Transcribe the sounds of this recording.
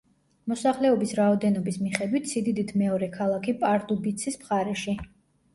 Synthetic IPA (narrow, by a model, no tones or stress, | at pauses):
mɔsaχlɛɔbisɾaɔd̪ɛnɔbismiχɛd̪wit̪ʰsid̪id̪it̪ʰmɛɔɾɛkʰalˠakʰipʼaɾt̪ʼubit̪sʰismχaɾɛʃi